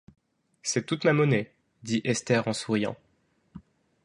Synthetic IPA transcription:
sɛt̪ut̪mamɔne | d̪iʔɛst̪ɛʁɑ̃suʁijɑ̰̃

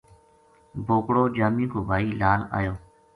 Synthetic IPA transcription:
bʱoːkɽoːd͡ʒaːmĩːkʰoːbʱaːiːlaːla̰ːjoː

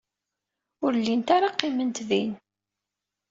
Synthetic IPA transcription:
ʊɾlːint̪aɾaqːimənt̪ðin

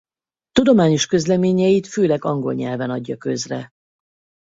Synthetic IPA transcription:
t̪ud̪o̞maːɲo̞ʃkø̞zlɛmeːɲɛjit̪føːlɛɡɒŋɡo̞̰lɲɛlvɛnɒɟːɒkøzrɛ̰

